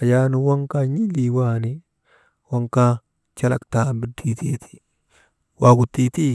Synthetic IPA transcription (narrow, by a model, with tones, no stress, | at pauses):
a˨ja˦nu˨wa˦ŋka˦ɲi˦li˨waː˦˨ni˦ | wa˦ŋka˦ | t͡ʃa˦la̰˨kta˨mbi˨di˨t̪i˦˨t̪ʰi̥˨ | wa˨ɡu˨tːi˦t̪i˦